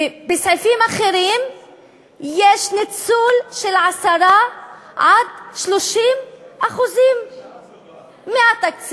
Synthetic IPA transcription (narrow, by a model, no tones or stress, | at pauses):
bɪsʕɪfiːmʔaxiɾiːn | jeːʃnɪtsuːlʃɪlʕasɑɾˤaʕad̪̚ʃluʃiːnʔaxuziːm | mɪʔat̪ak̚s